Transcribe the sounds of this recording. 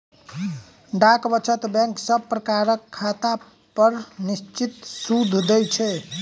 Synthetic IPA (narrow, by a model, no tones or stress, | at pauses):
ɖakbʌt͡ʃʰət̪bɛ̃ŋksəbpɾəkaɾəkʰːat̪a | pʌɾnist͡ʃit̪sud̪ʱːd̪əjt͡ʃʰɛ